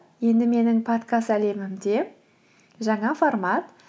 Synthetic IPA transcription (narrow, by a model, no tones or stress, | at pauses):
je̞nd̪ɪme̞nɪŋpʰot̪kʰast̪æle̞mɪmd̪e̞ | ʒɑɴɑformɑt̪